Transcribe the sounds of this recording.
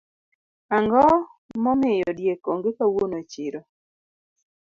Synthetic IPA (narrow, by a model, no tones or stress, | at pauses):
aŋɡɔmɔmɪjɔdjekoŋɡekawonot͡ʃɪɾɔ